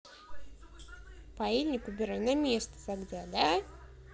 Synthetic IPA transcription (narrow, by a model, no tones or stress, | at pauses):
pailʲnʲɪkʊbʲɪɾajnamʲest̪ə̥t̪aɡd̪ʲad̪a